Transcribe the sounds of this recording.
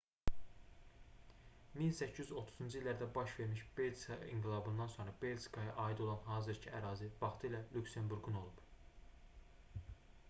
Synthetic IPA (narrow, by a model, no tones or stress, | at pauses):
minsæcʰːijyzot̪ʰu̥zund͡ʒuilːæɾd̪æbɑʃve̞ɾmiʃbe̞lsɑḭŋɡilˠɑbund̪ɑnso̞nɾɑbe̞ld͡ʒkʰɑjɑʔɑːid̪o̞lˠɑnɦɑːzɯɾcʰiæɾɑːzivɑχt̪ʰɯilælʲycse̞mbuɾɡuno̞lˠub̥